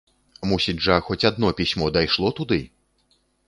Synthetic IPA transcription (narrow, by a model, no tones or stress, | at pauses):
musʲid͡zʲʐɐxɔt͡sʲad̪̚nɔpʲisʲmɔd̪ajʂlˠɔt̪ud̪ɨ